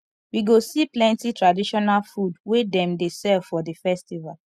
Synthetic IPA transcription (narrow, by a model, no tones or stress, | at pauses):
wiɡosiplɛ̃ntitɹadiʃɔnalfudwedɛ̃mdesɛvfɔdəfɛstival